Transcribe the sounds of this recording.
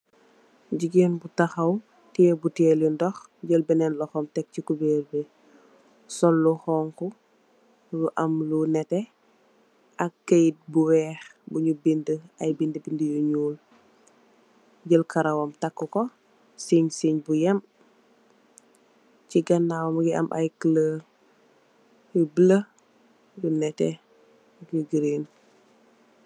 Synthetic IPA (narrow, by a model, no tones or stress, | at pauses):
ɟiɡenbutaxɐw | tiebutɛlindɔx | ɟəlbɛnɛnlɔxɔmtɛk̚cikubeːlbe | sɔlːuxɔːŋku | luʔɐmlunɛtɛ | ʔɐkːəjit̚buwɛːxbuɲubindəɐjbindəbindəjuɲuːl | ɟəlkʰaɾawɐmtakːukɔ | siɲsiɲbujɐm | ciɡɐnːawmɡiʔɐ̰mʔa̰jkələː | jubələ | lunɛtɛ | ɡəɡiɾin